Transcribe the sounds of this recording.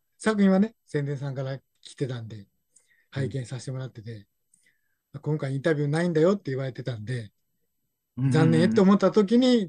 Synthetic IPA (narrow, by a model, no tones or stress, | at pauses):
sakɯ̟ĩɰ̃ane̞sẽnd̪e̞ɰ̃sãŋkaɾa | kʲi̥t̪e̞t̪ãnd̪e̞ | haikẽ̞ɰ̃saɕit̪e̞mo̞ɾat̪ːe̞t̪e̞ | akõ̞ŋkaiĩnt̪abʲɯnaĩnd̪ajo̞t̪ːe̞iβaɾe̞t̪e̞t̪ãnd̪e̞ | zãnːẽt̪ːe̞omo̞t̪ːat̪o̞k̬ʲiɲ̟i